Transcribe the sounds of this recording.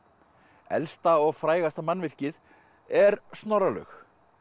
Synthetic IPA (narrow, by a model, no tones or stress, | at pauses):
ɛ̰lst̪aɔɣfɾaːjɣast̪amanːvɪr̥cɪð | ɛɾst̪nɔɾalœ̰x